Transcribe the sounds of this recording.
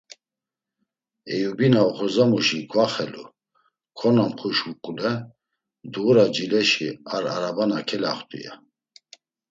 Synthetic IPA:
ɛjubinaɔχɔzamuʃikʰvaχɛlu | kʰɔnamχuʃukʼulɛ | d̪uɾad͡ʒilɛʃiaɾaɾabanakʰɛla̰χt̪ʼṵja̰

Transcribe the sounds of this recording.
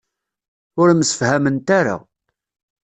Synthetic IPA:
ʊɾməsə̥fhæmənt̪aɾa̰

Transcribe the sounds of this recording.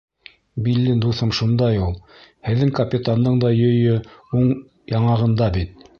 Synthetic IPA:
bilːɘnd̪uθɤmʃund̪ɑjulˠhɘ̆ðːɘŋkɐpʲit̪and̪ɤɴd̪ɑjɵ̆jɵuɴ | jɑɴɑʁɤ̆nd̪ɑbit̪̚

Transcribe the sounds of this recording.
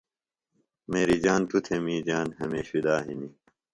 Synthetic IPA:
meːɾid͡ʑaːnt̪ut̪ʰemiːd͡ʑaːnhɐmeːɕid̪aːɦḭni

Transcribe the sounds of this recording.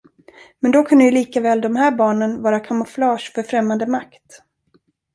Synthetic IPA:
mɛnd̪ɔkʰɵnd̪əjɵliːkavɛːld̪ɔmɦæːɾbɑːɳənvɑːɾakʰamʊflɑːʂfœɾfɾɛmːand̪əmakt̪

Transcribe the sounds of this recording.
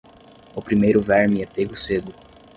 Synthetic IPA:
ʊpɾimejɾʊvɛɾmɪɛpeɡʊsed̪ʊ

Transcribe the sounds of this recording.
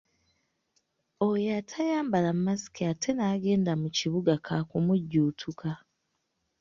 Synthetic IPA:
ojatʰajaːmbalammːasi̥kiatʰe̞naːɡe̞ːndamuciβuɡakʰakumuɟːuːtʰukʰa

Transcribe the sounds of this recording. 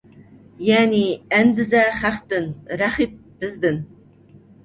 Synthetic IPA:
jæːniænd̪ɪzæχæqt̪ɨnɾæχit̪̚bɪzd̪ɪn

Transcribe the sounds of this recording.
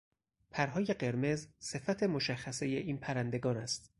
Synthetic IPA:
pʰæɾɦɒːje̞ɢe̞ɾme̞zse̞fæt̪ʰe̞mo̞ʃæxːæse̞jeʔiːnpʰæɾænd̪e̞ɡɒːnæst̪

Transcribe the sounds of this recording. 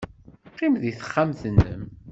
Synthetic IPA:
qːimðiθə̥χːamθnːə̰m

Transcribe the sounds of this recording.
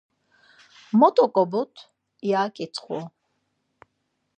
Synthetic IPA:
mɔt̪ʼɔkʼɔbut̪ʰ | jaːkʼit͡sʰχṵ

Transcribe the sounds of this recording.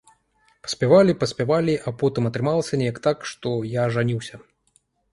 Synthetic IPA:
pɐ̥sʲpʲavalʲipɐsʲpʲavalʲiʔapɔt̪ɨmɐt̪ɾɨmalˠɐsʲɐnʲɛjɐkt̪akʂt̪ɔjaʐanʲiwsʲɐ

